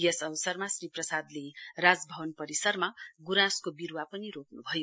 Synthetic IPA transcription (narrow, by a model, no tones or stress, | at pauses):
jesʌwsʌrmasriprʌsad̪lerad͡zbʱʌbʌnpʌɾisʌrmaɡuɾãskobiɾwapʌniɾoknubʱʌjo